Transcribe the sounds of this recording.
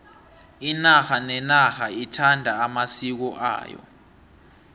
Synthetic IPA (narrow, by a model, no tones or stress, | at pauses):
inaxanɛnaxaitʰandʱaːmasik̬ɔʔa̰ːjɔ̰